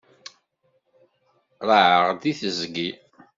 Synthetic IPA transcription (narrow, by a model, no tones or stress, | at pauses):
ɾˤəʕəʁd̪iθəzɡi